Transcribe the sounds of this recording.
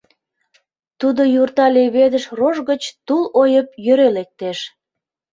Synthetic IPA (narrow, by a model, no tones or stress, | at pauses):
t̪ud̪ojurt̪ɑleβed̪əʃroʒɣət͡ɕt̪ulojəp̚jøɾelek̚t̪eʃ